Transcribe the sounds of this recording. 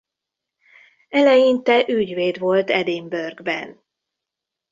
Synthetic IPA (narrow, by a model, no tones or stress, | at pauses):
ɛlɛjint̪ɛʔyɟveːd̪vo̞lt̪ɛd̪imbørɡbɛ̰n